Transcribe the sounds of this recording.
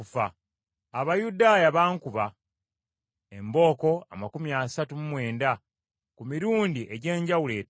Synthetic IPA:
ufa | aβajudaːjaβaːŋkuβa | e̞mbo̞ːko̞amakumiaːsatumumwe̞ːnda | kumiɾuːndiʔe̞ɟe̞ːɲɟawule̞ː

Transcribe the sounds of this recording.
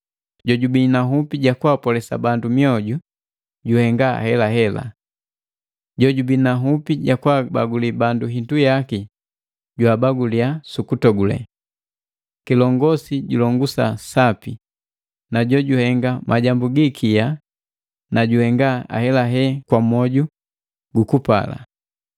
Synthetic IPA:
ɟɔɟubinaɦupiɟakwapɔlɛsa̰bandumiɔɟu | ɟuhɛŋɡaa̰hɛlaɦɛla̰ | ɟɔɟubinaɦupiɟakwabaɡulibanduɦindujaki | ɟwaːbaɡuliasukutɔɡulɛ̰ | kilɔŋɡɔsiɟulɔŋɡusasapi | naɟɔɟuhɛŋɡamʔaɟambuɡikʰija | naɟuhɛŋɡaa̰hɛlaɦɛkwamɔɟu | ɡukupa̰la̰

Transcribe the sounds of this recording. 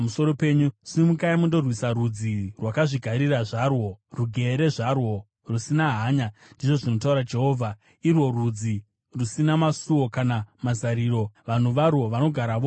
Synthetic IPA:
amuso̞ɾo̞pe̞ɲusimukaimundo̞rwisarud͡zirwakaʐiɡʱaɾiraʐarwo̞ruɡʱe̞ɾe̞ʐarwo̞ | rusinaɦaːɲandiʐo̞ʐino̞tauɾad͡ʒe̞ɦo̞ːvʱa | irwo̞rud͡zi | rusinamasuwo̞kanamazaɾiːɾo̞ʋan̤uʋarwo̞ʋano̞ɡʱaɾaʋo

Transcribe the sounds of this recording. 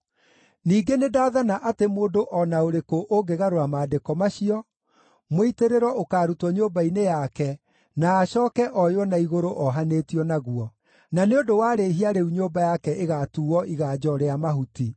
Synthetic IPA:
niːɡenedaːðanaʔatemoːndoʔɔnaoɾekoʔoɡeɣaɾoamaːdekɔmaɕiɔ | moiteɾeɾwɔokaːɾutwɔɲoːbainejakɛ | naːɕɔːkɛʔɔjwɔnaiɣoɾoʔɔɦaneːtiɔnaɣuɔ | naneodowaːɾeɦiaɾeuɲoːbajakɛʔeɣatuːɔiɣaːd͡ʒɔɾeamaɦuti

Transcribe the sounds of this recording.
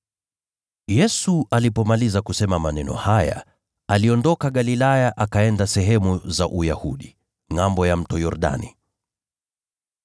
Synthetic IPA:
jɛsuʔalipɔmalizakusɛmamanɛnɔ̰haja̰ | aliɔndɔkaɠalilajaʔakaɛndasɛɦɛmuzaʔujahṵɗi | ŋambɔjam̩tɔjɔɾɗa̰ni

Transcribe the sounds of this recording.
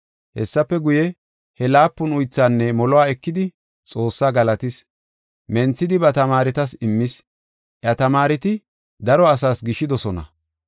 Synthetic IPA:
hɛ̰sːɐpːɛɡʊjɛ | hɛlaːpːʊnʊjt͡sːaːnːɛmɔlɔwaːɛkːɪd̪ɪ | t͡sʼo̞ːsːaːɡɐlɐt̪ɪs | mɛnt͡sːɪd̪ɪbɐt̪ɐmaːɾɛt̪ɐsɪmːɪs | ʔjɐt̪ɐmaːɾɛt̪ɪ | d̪ɐɾɔɐsaːsɡɪʃːɪd̪ɔsɔnɐ̰

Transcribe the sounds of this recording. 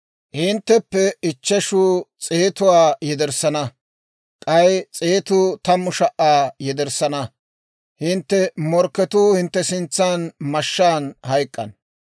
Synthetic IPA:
hɪnt̪ːɛpːɛɪt͡ʃːɛʃuːt͡sʼeːt̪ʊwaːjɛd̪ɛɾsɐnɐ | kʼɐjt͡sʼeːt̪ʊːt̪ɐmːʊʃɐʔːaːjɛd̪ɛɾsɐnɐ | hɪnt̪ːɛmɔɾkːɛt̪uːhɪnt̪ːɛsɪnt͡sːaːnmɐʃːaːnhɐjkʼːɐ̰n

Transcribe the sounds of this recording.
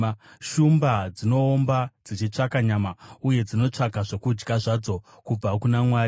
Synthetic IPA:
ʃumbad͡zino̞ːmbad͡zit͡ʃit͡ʂakaɲamauje̞d͡zino̞t͡ʂakaʐo̞kud͡ʒɡaʐad͡zo̞ | kub͡vakunamwaː

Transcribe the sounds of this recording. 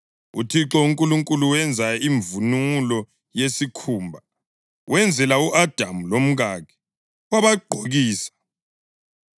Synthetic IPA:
ṵtʰiǁɔuŋkʼuluŋkʼuluwɛnd͡zʱaiɱvunulɔ | jesikʰuːmbʱa | wɛnd͡zʱɛlauʔad̥ʱamulom̩ɣaːkʰɛ̥ | waβaɡ͡ǃʱoɣiːsḁ

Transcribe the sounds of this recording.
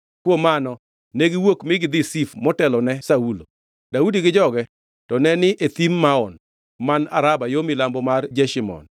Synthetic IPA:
kwomanɔ | neɡɪwokmɪɡɪd̪ɪsifmɔtɛlɔnɛsaulo | d̥audiɡɪd͡ʒɔɡɛ | tɔnɛnɪet̪imːaɔn | mana̰ɾabajomɪlambɔmard͡ʒɛʃimɔ̰n

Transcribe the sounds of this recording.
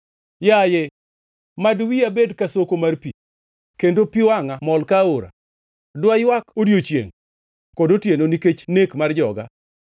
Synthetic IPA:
jaje | madwiabedkasokomarpi | kendopiwaŋamɔlkaoɾa̰ | dwajwakodjot͡ʃjḛŋ | kɔdotjenoniket͡ʃnekmard͡ʒɔ̰ɡa̰

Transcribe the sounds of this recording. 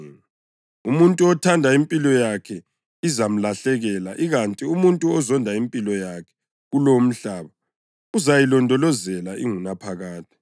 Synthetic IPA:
umuntʼuɔtʰandʱaimpʼilɔjakʰɛ | izam̩laɬɛɣɛlaʔiɣantʼiumuntʼuɔzɔndʱaimpʼilɔjakʰɛ̥ | ɣulom̩ɬaːβa | uzajilɔndʱɔlɔzɛlaʔiŋunapʰaɣaːtʼi̥

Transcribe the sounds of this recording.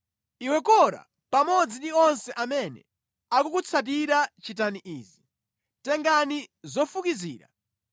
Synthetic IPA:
iwɛkɔɾa̰ | pamɔd͡zindiɔnsɛʔamɛnɛ̰ | akukut͡sʰat̬iɾat͡ʃitaniʔiːzi | tɛŋɡanizɔfukiziːɾa̰

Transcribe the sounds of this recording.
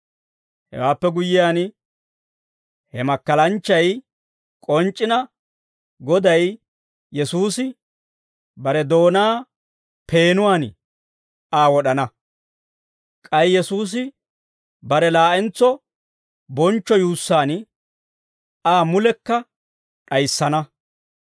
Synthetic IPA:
hɛ̰waːpːɛɡʊjːɪjaːn | hɛmɐkːɐlɐnt͡ʃːɐj | kʼɔnt͡ʃʼːɪnɐ | ɡɔd̪ɐj | jɛsuːsɪ | bɐɾɛd̪o̞ːnaː | pʰe̞ːnʊwaːn | aːwɔɗɐnɐ | kʼɐjjɛsuːs̬ɪ | bɐɾɛlaːʔɛnt͡sːɔ | bɔnt͡ʃːɔjuːsːaːn | aːmʊlɛkːɐ | ɗɐjsːɐnɐ

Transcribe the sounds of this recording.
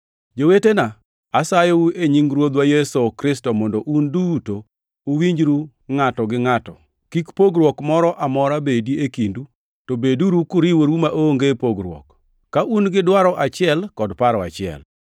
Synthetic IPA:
d͡ʒowetena | asajoueɲiŋɾwod̪wajɛsokɾɪstɔmɔndoʔundutoː | wiɲd͡ʒɾu | ŋatɔɡɪŋatɔ | kikpoɡɾwɔkmɔɾɔʔamɔɾabediekindu | tobeduɾukʊɾiwoɾumaʔoŋɡepoɡɾwɔ̰kː | aʔunɡɪdwaɾɔʔat͡ʃɪɛlkɔdpaɾɔa̰t͡ʃɪɛ̰l

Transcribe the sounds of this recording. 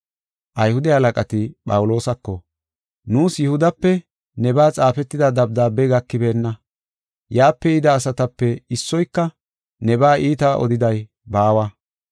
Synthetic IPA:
ʔɐjhʊd̪ɛhɐlɐkʼɐt̪ɪpʼɐwʊlo̞ːsɐkːɔ | nuːsjɛhʊd̪ɐpːɛ | nɛbaːt͡sʼaːfɛt̪ːɪd̪ɐd̪ɐb̚d̪aːbɛɡɐkːɪbe̞ːnːɐ | jaːpːɛɪd̪ɐːsɐt̪ɐpːɛɪsːɔjkːɐ | nɛbaːʔiːt̪ɐʔɔ̰d̪ɪd̪ɐj | baːwɐ

